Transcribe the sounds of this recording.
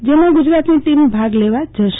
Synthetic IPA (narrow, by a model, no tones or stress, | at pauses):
d͡ʒemãɡud͡ʒɾat̪niʈimbʱaɡleʋad͡ʒəʃ